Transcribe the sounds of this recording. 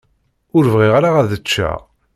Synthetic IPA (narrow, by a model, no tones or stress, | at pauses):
ʊɾvʁiʁaɾaʁæðət͡ʃːæ̰